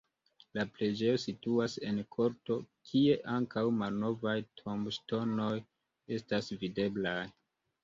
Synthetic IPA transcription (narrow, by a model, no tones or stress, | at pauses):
laple̞d͡ʒe̞jo̞situase̞nkʰo̞ɾto̞kʰie̞ʔaŋkawmalno̞vajtʰomʃto̞no̞j | e̞stasvide̞blaj